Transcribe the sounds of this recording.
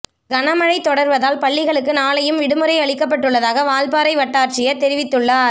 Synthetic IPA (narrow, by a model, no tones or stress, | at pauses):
ɡɐɳɐmɐɻɐɪt̪ːɔɽɐɾʋɐðaːlpɐɭːɪɣɐɭɯkːɯnaːlɐjɯmʋɪɽɯmɯɾɐɪɐɭɪkːɐpːɐʈːɯɭːɐðaːɣɐʋaːlpaːɾɐɪʋɐʈːaːʈt͡ʃɪjɐt̪ɛɾɪʋɪt̪ːɯɭːaːɾ